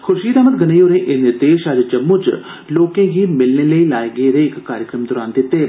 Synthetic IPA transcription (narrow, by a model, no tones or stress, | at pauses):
xʰʊʃiːd̪aːmət̪̚ɡənejoːɾẽːʔɪnɪɾd̪eːʃəd͡ʒd͡ʒəmːũːt͡ʃ | loːkẽːɡiːmɪlneːləiːlaːeɡeːɾeːɪkːaːɾjəkɾəmd̪ɔːɾa̰ːnd̪ɪt̪ːeː